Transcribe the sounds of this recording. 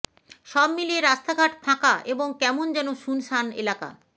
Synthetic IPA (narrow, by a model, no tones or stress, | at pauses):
ʃɔbmilieɾast̪aɡʱaʈ̚t̪ʰãkaʔeboŋkɛmond͡ʑɛnoʃunʃanḛlaka̰